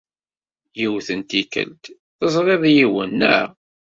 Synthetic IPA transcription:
jiwθənt̪ikə̰lt̪ | θəzˤʁeðˤjiwənːæ̰

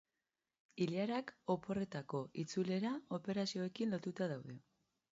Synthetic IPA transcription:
ilaɾako̞po̞re̞t̪ako̞ʔit͡sule̞ɾao̞pe̞ɾasio̞e̞kinlo̞t̪ut̪aðawðe̞

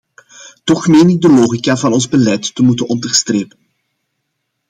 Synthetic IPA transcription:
tɔxmeːnɪdəloːɣikaːvɑnɔnzbəlɛjtːəmutənɔndərstreːpən

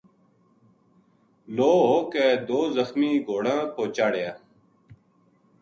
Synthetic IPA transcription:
loːɦoːkeːd̪oːzəxmiːɡʱoːɽãːkoːt͡ʃaːɽjaː

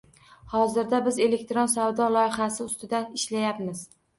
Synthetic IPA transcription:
hɒzɪɾd̪abɪze̞le̞k̚t̪ɾonsavd̪ɒlˠɒjɪχasɪʊst̪ʰɪd̪anɪʃlajapmɪz̥

